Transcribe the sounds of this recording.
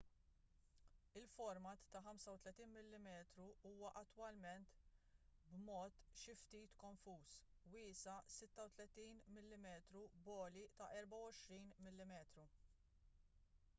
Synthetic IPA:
ɪlfɔɾmɐt̪ːɐħɐmsɐwt̪lɛt̪iːnmɪlːɪmɛːt̪ɾuuːwɐʔɐt̪ːwɐlmɛnt̪ | bmɔːt̪ʃɪft̪iːt̪kɔɱfuːswɪːsɐsɪt̪ːɐwt̪lɛt̪iːnmɪlːɪmɛːt̪ɾubɔːlit̪ɐʔɛɾbɐwɔʃɾiːnmɪlːɪmɛːt̪ɾu

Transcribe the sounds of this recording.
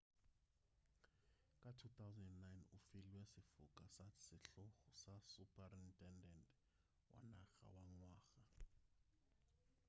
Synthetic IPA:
kʼatʰut̪ʰawzɛndɛnajnufiliwɛsifukʼasasiɬɔxusasupʰʼarintʼɛndɛntʼ | wʔa̰na̰xa̰waŋwaːxa

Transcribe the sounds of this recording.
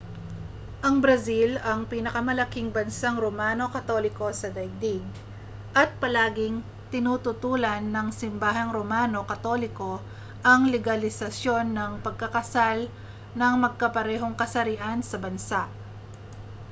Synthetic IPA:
ʔɐŋbɾɐzilɐŋpinɐkɐmɐlɐkiŋbɐnsaŋɾomaːno̞kɐt̪o̞lɪko̞sɐd̪ɐj̚d̪iɡ̚ | ʔɐt̪̚pɐlaːɡɪŋ | t̪ɪnut̪ʊt̪uːlɐnːɐŋsɪmbaːɦɐŋɾomaːno̞kɐt̪o̞lɪko̞ | ʔɐŋlɛɡɐlɪsɐsjo̞nːɐŋpɐɡ̚kɐkɐsal | nɐŋmɐɡ̚kɐpɐɾɛːɦo̞ŋkɐsɐɾɪʔansɐbɐnsaʔ

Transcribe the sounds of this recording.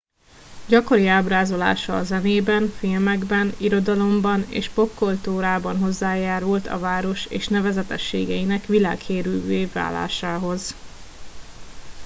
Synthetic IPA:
ɟɒko̞ɾiaːbraːzo̞la̰ːʃɒːzɛneːbɛnfilmɛɡbɛniɾo̞d̪ɒlo̞mbɒnḛːʃpo̞kːolt̪uːɾaːbɒnɦo̞zːaːjaːɾult̪ɒ̰vaːɾo̞ʃḛːʃnɛvɛzɛt̪ɛʃːḛːɡɛjinɛkʋila̰ːkheːɾylveːvva̰ːlːa̰ːʃaːɦo̞z

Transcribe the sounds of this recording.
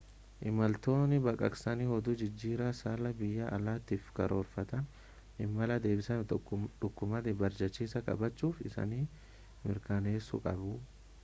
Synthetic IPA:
ʔɪmɐlt̪o̞ːnːɪbɐkʼɐ̰ksɐniːhɔd̪ʊd͡ʒɪd͡ʒːiːɾaːsaːlɐbɪjːɐʔɐlaːt̪iːfkɐɾʔo̞ːɾfɐt̪ɐn | ʔɪmːɐlɐd̪e̞ːbɪsɐnᶑ̪ʊkːʊmɐd̪ɪbɐɾd͡ʒɐt͡ʃːiːsɐkʼɐ̰bɐt͡ʃːuːfɪsɐ̰niː | mɪɾkaːne̞ːsːʊ̰kʼɐbʊ

